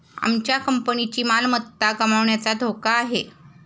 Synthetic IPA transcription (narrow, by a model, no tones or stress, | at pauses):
a̰mt͡ɕjakəmpənit͡ɕiːmalmət̪ːakəmaʋɳjat͡sad̪ʱokaːɦe